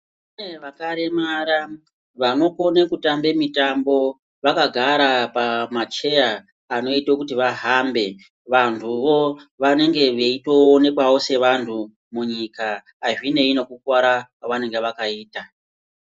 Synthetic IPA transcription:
uneʋakaɾe̞maɾa | ʋano̞ko̞nekutambe̞mitambo̞ | ʋakaɡʱaɾapamat͡ʃe̞jaː | no̞itokutiʋaɦambe̞ | ʋantʰuʋo̞ʋane̞ŋɡe̞ʋe̞itoone̞kwawo̞se̞ʋantʰu | muɲikaː | ʐine̞ino̞kukwaɾakwaʋane̞ŋɡe̞ʋakaiːta

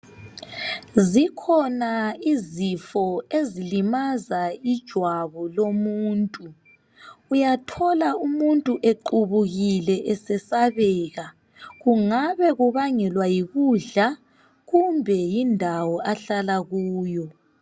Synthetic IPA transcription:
zikʰɔnaizifɔezilimazaid̥ʒ̥ʱwaβɔlomuːntʼuː | jatʰɔlaumuntʼuʔeǃuβuɣilɛʔɛsɛsaβɛːɣa | ɣuŋaβɛɣuβaŋɛlwajiɣuɮa | ɣumbʱɛjindʱawɔʔaɬalaɣuːjɔ

